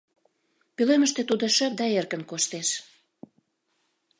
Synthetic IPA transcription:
pyløməʃt̪et̪ud̪oʃə̆p̚d̪ɑerkə̆nkoʃt̪eʃ

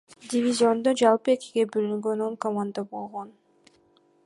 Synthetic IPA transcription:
dʲɪvʲizʲɪo̞nd̪od͡ʒɑlˠpɯe̞kʲiɡe̞bølyŋɡøno̞ŋkomand̪abo̞lˠʁo̞n

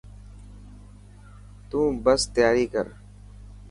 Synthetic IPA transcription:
t̪ũːbəst̪jaːɾikə̰ɾ

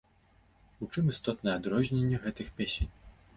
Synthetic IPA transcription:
ut͡ʂɨmist̪ɔt̪nɐjɛad̪ɾɔzʲnʲenʲːɛɣɛt̪ɨxpʲesʲenʲ

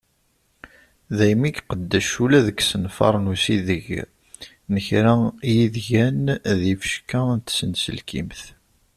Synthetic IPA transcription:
ðæjmiɡqəd̪ːæʃulæðəksənfɑ̰ɾˤnusiðəʝ | nəçɾæjiðʝænðifə̥ʃkænt̪sənsə̰lkḭmθ

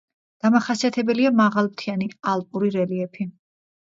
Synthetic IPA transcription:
d̪̥amaχasiat̪ʰɛbɛliamaʁalˠpt̪ʰianialˠpʼuɾiɾɛliɛpʰi

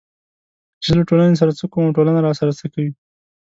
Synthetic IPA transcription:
t͡ʃɪlaʈolanes̬aɾat͡səkomaʈolanaɾɑsaɾat͡səkawi

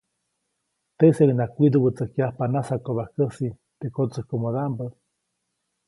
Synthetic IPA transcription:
t̪eselinakʷid̪ubət͡səkjahpanasakoβahkəsi | t̪ekot͡səhkomoðambə

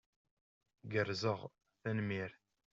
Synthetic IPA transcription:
ɡəɾzəʁ | θænmiɾ

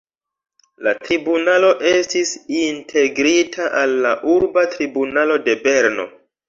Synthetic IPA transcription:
latɾibunalo̞ʔe̞stisintʰe̞ɡɾitʰaʔalːaʔuɾbatɾibunalo̞de̞be̞ɾno̞̰

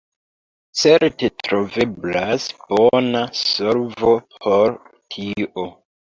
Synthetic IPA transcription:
t͡seɾtetɾove̞blasb̥onasoɾvo | hoɾ | tʰiʔo

